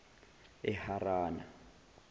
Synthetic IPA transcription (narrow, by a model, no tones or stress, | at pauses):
ɛharaːna̰